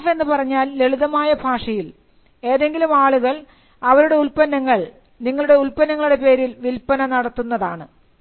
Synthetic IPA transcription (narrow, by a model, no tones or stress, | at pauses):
fe̞nːɨpɐrɐɲːaːlːeɭuðɐmaːjɐbʱaːʂɐjil | e̞ːðe̞ŋɡilumaːɭuɣɐɭ | ɐʋɐɾuɽe̞ulpɐnːɐŋːɐɭ | niŋːɐɭuɽe̞ulpɐnːɐŋːɐɭuɽe̞pe̞ːɾilʋilpɐnɐnɐɽɐt̪ːunːɐðaːɳɨ